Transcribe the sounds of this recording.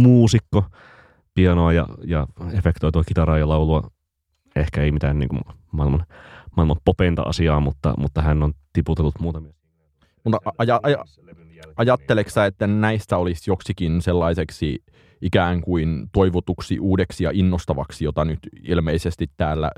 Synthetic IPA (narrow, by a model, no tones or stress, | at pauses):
muːsikːo | piɑnoɑjɑ̰jɑefekt̪oit̪uɑkit̪ɑɾɑːjɑlɑuluɑ | ehkæeimit̪ænnḭːŋkumɑˑilmɑnmɑˑilmɑmpopent̪ɑ̰ʔɑ̰siɑːmut̪ːɑ̰mṵt̪ːɑhænːont̪iput̪elːut̪muːt̪ɑmi | mut̪ɑɑjɑɑ | ɑjɑt̪ːeleksæet̪ːænæist̪æolisjoksikinselːɑiseksi | ʔikæːŋkuint̪oiʋot̪uksḭʔuːdeksijɑʔinːost̪ɑʋɑksijot̪ɑnyt̪ilmeisest̪it̪tæːlːæ̰